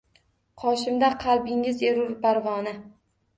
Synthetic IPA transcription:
qʰɒʃɪmd̪aqʰɑlˠbɪŋɪzeɾʊɾpaɾvɒnɪ

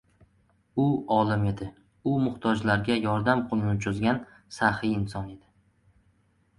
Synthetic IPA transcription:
ʊɒlˠɪme̞d̪ɪ | ʊmʊht̪ʰɒd͡ʒlaɾɡʲajɒɾd̪amqʰʊlˠɪnɪt͡ʃʰʊzɡʲan | sahiɪnsɒne̞d̪ɪ

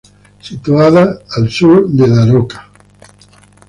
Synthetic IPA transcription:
sit̪uaðaːlsuɾd̪eðaɾokḁ

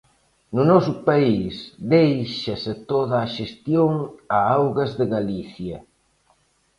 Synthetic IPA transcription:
nʊnɔsʊpaisd̪ejʃɐsɪt̪oðaːʃest̪joŋaawɣɐzðɪɣaliθjɐ

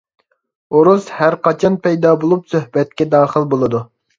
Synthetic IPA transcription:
oɾushæɾqɑt͡ʃʰɑnpɛjd̪ɑːbolˠupsøhbɛt̪̚kʲɛd̪ɑːχəlˠbolˠɨd̪u

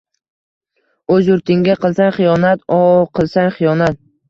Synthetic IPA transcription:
ɵzjʊɾt̪ʰɪŋɡʲaqʰɨlˠsanχɨjɒnat̪ɒqʰɨlˠsaŋχɨjɒnat̪̚

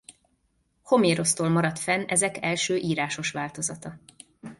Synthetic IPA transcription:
ho̞meːɾo̞st̪oːlmɒɾɒt̪fɛnɛzɛkɛlʃøːʔiːɾaːʃo̞ʃʋaːlt̪o̞zɒt̪ɒ

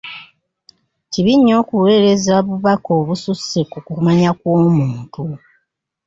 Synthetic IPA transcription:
ciβiɲːo̞ːkuwe̞ːɾe̞zaβuβako̞ːβususekukumaɲakwoːmuːntu

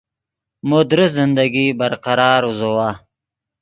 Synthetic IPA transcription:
mod̪ɾɪs̬zɪnd̪aɡibɐɾqɑɾɑːɾuzowaː

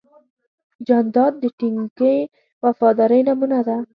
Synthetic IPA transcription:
d͡ʒɑnd̪ɑd̪̚ːəʈiŋɡe | wafɑd̪aɾajnamunad̪a

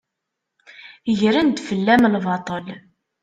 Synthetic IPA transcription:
əʝɾænd̪fəlːæmlvɑt̪ˤəl

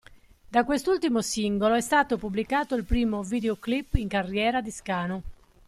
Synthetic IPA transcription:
d̪akwest̪ult̪imosiŋɡoloɛst̪aːt̪opublikaːt̪oilpɾiːmoviːd̪eoklipːiŋkarːjɛːɾad̪iskaːno

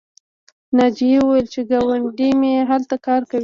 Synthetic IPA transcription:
nɑd͡ʒiewuwajəlt͡ʃeɡɑwaɳɖimeɦalt̪akɑɾkawi

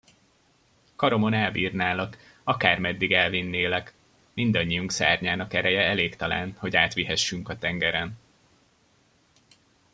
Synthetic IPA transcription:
kɒɾo̞mo̞nɛlbiːrnaːlɒk | ɒkaːrmɛd̪ːiɡɛlvinːeːlɛk | mind̪ɒɲːijuŋksa̰ːrɲaːnɒkɛɾɛjɛɛleːkt̪ɒla̰ːnho̞ɟaːt̪ʋiɦɛʃːyŋkɒt̪ɛŋɡɛɾɛn

